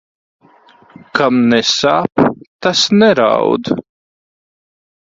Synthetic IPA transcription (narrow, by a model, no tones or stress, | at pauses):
kʰamnɛsaːpt̪asnɛɾa̰wd̪